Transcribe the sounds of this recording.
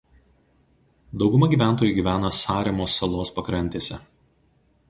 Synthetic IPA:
d̪ɒʊɡʊmɐɡʲiːˑʋʲæˑnt̪̬oːjʊɪɡʲiːʋʲæːnɐsɑːɾʲɛmoːsːɐlˠoːspɐkɾɐnʲt̪ʲeːsʲɛ

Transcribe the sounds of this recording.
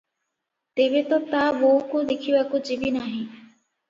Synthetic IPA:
t̪ebet̪ɔt̪aboɦukod̪ekʰibakud͡ʒibinaɦĩ

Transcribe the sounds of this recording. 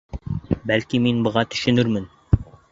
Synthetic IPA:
bælkiminbɤ̆ʁɑt̪ɵ̥̆ʃɵ̆nɵɾmɘn

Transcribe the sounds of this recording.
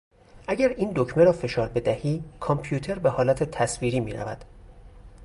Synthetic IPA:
ʔæɟæɾiːnd̪ocme̞ɾɒːfe̞ʃɒːɾbe̞d̪æhiːkʰɒmpʰjuːt̪ʰe̞ɾbe̞hɒːlæt̪ʰe̞t̪ʰæsviːɾiːmiːɾæ̰væ̰d̪̥

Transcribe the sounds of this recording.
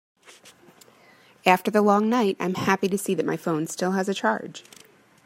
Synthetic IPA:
æftə˞ðəlɔ̃ŋnaɪɾã̰ɪ̃mhæpiɾɨsiðɨt̚mʔaɪfõʊ̃nstɪlˠəzɨt͡ʃʰɑ̰ɹd̥ʒ̥

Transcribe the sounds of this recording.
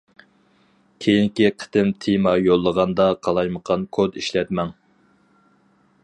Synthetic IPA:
kʲʰejiŋkʲiqʰə̥t̪ɪmt̪ʰimɑjolˠːəʁɑnd̪ɑqʰɑlˠɑjməqʰɑnkʰod̪iʃlɛt̪mɛŋ

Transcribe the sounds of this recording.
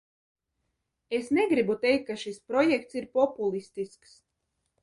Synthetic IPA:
esneɡɾibut̪ɛjkt̪̚kaʃispɾɔjɛkt̪siɾpɔpulˠist̪isks

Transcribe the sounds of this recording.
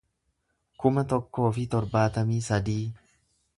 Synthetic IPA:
kʊmɐt̪ɔkːo̞ːfɪt̪ɔɾbaːt̪ɐmiːsɐd̪iː

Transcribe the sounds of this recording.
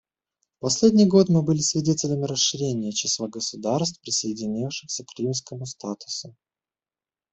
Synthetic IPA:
pɐsʲlʲedʲnʲɪjɡo̞t̪mɨbɨlʲɪsʲvʲɪdʲetʲɪlʲəmʲɪɾəsʂɨɾʲenʲɪjət͡ɕɪslˠaɡəsʊd̪arst̪fpɾʲɪsəɪdʲɪnʲifʂɨxsʲəkɾʲimskəmʊst̪at̪ʊ̥sʊ

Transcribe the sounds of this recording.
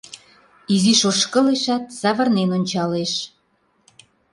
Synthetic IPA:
iziʃoʃkə̆leʃæt̪̚sɑβə̆rnenonʲt͡ɕɑleʃ

